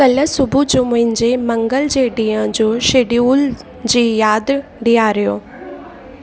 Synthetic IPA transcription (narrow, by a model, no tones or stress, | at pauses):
kɐləsʊbʱud͡ʑoːmʊ̃ɦɪ̃ɲd͡ʑemɐ̃ŋɡəld͡ʑeɖijə̃d͡ʑoːʃeːɖiuːl | d͡ʑiːjaːd̪ɖɪjaːɾɪjoː